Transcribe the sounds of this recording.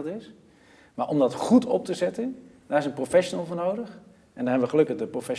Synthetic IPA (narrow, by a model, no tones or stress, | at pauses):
lˠtɪs | maːɹʔɔmdɑtχutʰɔp̚təzɛtən | d̥aːɾɪsənprofɛʃonəlˠvʊːɹnowdəχ | ʔɛndɔnɦɛbəʋəχəlɵkəχdəprofɛ